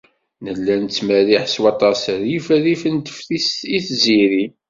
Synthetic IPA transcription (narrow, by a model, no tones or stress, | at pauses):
nəlːænt͡sːmæɾiħswɑt̪ˤɑsɾjifɾifənt̪ə̥fθisiθziɾi